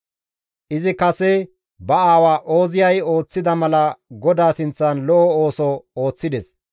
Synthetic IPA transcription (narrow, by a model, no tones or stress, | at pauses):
ʔɪzɪkɐsɛ | bɐaːwaːʔo̞ːzɪjɐjo̞ːt͡sːɪd̪ɐmɐlɐɡɔd̪aːsɪnt͡sːɐnlɔʔɔo̞ːsɔoːt͡sːɪd̪ɛs